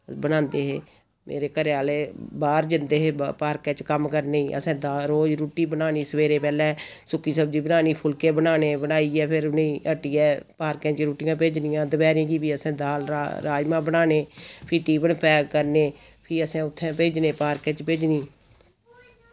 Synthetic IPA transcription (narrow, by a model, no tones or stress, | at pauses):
bənãːnd̪eːɦeː | mḛːɾeːkəɾeaːleːbaːɾd͡ʒɪnd̪eːɦeːpaːɾkɛ̃ːt͡ʃkəmkəɾneːiːʔə̰sɛ̃ːd̪aːɾoːd͡ʒɾuːʈiːbənaːniːsəʋeːɾeːpɛːlɛ̃ːsʊkːiːsəbd͡ʒiːbənaːniːpʰʊlkeːbənaːneːbənaːiːɛːpʰɪɾʊnĩːəʈiːɛːpaːɾkɛ̃ːt͡ʃɾuːʈɪjãːpeːd͡ʒnɪjãːd̪əbɛːɾẽːɡiːpiːəsɛ̃ːd̪aːlɾaːd͡ʒmãːbənaːneːpʰiːʈiːbəɳpɛːɡkəɾneː | pʰiːəsɛ̃ːʊt̪ʰːɛ̃ːpeːd͡ʒneːpaːɾkɛ̃ːt͡ʃpeːd͡ʒniː